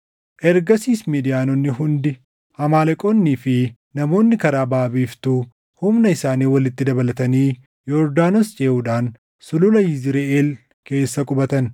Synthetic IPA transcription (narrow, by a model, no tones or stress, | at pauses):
ʔɛɾɡɐsiːsmiːd̪ɪjaːnɔnːɪɦʊnd̪ɪ | hɐmaːlɐkʼonːiːfɪ | nɐmo̞ːnːɪkɐɾaːbaːbiːft̪ʊ | hʊmnɐɪsaːniːwɐlɪt̪ːɪd̪ɐbɐlɐt̪ɐniː | jɔɾd̪aːnost͡ʃʼeːʔuːᶑaːn | sʊlʊlɐjɪzɪɾeeːl | ke̞ːsːɐkʼʊbɐt̪ɐn